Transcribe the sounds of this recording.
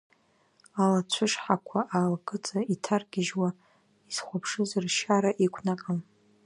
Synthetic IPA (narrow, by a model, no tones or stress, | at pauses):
alat͡ɕʷʰʊʂħakʷʰaʔalkʼɨt͡sʼaitʰarɡʲɪʒwa | iz̥χʷapʰʂɨzɨrʃaɾaʔikʷʰnakʼam